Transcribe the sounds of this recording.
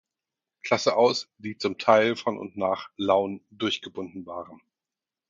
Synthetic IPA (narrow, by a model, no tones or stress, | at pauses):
kʰl̥asəʔaʊsd̥iːt͡sʊmtʰaɪlfɔnʔʊ̰ntnaːχlaʊndʊɐçɡ̥əbʊndn̩vaːʁən